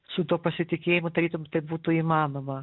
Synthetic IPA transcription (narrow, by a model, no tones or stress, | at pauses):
sʊt̪uɔpɐsʲɪt̪ʲɪkʲeːjɪmod̪ɐɾʲiːt̪omʲt̪ɐɪp̚buːt̪ʊimɑːnoːmɐ